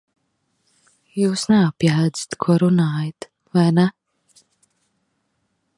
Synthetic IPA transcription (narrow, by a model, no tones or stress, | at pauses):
juːsnɛapjaːd̪zi̥t̪kʰuɔɾunaːjat̪ | vajnɛ